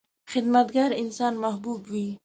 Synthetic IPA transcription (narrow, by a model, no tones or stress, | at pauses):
xɪd̪mat̪ɡaɾɪnsɑnmahbubwi